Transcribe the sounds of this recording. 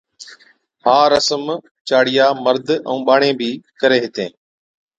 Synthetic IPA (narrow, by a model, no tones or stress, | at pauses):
haːɾəsəm | t͡ʃaːɽɪjaːməɾd̪ə̰̃ũːɓaːɳẽːbʱiːkəɾeːɦɪt̪ẽː